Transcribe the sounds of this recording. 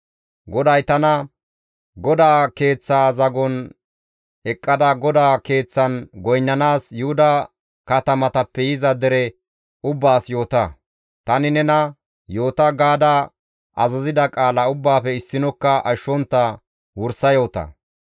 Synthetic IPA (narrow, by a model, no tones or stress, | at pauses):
ɡɔd̪ɐjt̪ɐnɐ | ɡɔd̪aːke̞ːt͡sːaːzɐɡɔn | ɛkʼːɐd̪ɐɡɔd̪aːke̞ːt͡sːɐnɡɔjnːɐnaːsjʊhʊd̪ɐ | kɐt̪ɐmɐt̪ɐpːɛjɪzɐd̪ɛɾɛ | ʊbːaːsjo̞ːt̪ɐ | t̪ɐnɪnɛnɐ | jo̞ːt̪ɐɡaːd̪ɐ | ʔɐzɐzɪd̪ɐkʼaːlɐʊbːaːfɛɪsːɪnɔkːɐʔɐʃːɔnt̪ːɐ | wʊɾsɐjo̞ːt̪ɐ̰